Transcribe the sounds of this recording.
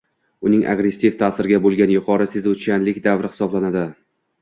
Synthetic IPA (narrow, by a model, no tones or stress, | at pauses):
ʊnɪŋʔa̰ɡɾe̞sːivt̪ʰaːsɪɾɪɡʲabolˠɡʲanjʊqʰɒɾɪsezut͡ʃanlɪkʲd̪avɾɪhɪ̥sɒblanad̪ɪ